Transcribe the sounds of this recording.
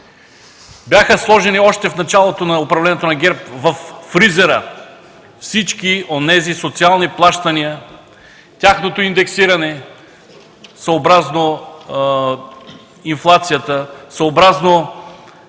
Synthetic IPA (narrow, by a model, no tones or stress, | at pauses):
bʲjaxəslˠɔʒɛniɔʃt̪ɛfnɐt͡ʃalˠot̪onɐopɾɐvlɛnɛt̪onɐɡɛɾp̚vɐfːɾizɛɾə | fsit͡ʃkionɛzisot̪sialˠniplˠaʃt̪ɐniə | t̪ʲaxnot̪oind̪ɛksiɾɐnɛ | sooːbɾazno | inflˠat̪sijət̪əsəobɾazno